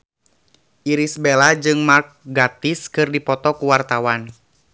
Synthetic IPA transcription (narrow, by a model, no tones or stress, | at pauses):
ʔiɾisbelad͡ʒɨŋmark̚ɡat̪iskɨrdipɔt̪ɔkuwart̪awan